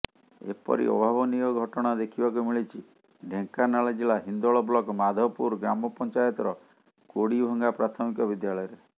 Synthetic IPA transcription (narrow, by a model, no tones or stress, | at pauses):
ḛpɔ̰ɾḭɔ̰bʱabɔnijɔɡʱɔʈɔɽ̃ad̪ekʰibakumiɭit͡ʃʰi | ɖʱeŋkanaɭad͡ʒilaɦind̪ɔɭɔblɔkmad̪ʱɔpuɾɡɾamɔpɔnt͡ʃajɔt̪ɔɾɔ | koɽibʱɔŋɡapɾat̪ʰɔmikɔbid̪jaɭɔjɔɾe